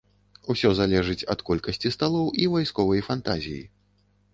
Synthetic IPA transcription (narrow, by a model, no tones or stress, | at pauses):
usʲɔzalʲɛʐɨt͡sʲɐ̰t̪kɔlʲkɐsʲt͡sʲist̪alˠɔwʔivajskɔvɐjfant̪azʲijḭ